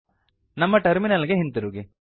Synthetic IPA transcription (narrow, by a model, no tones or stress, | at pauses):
nɐmːɐʈɐɾminɐlɡeɦint̪uɾuːɡi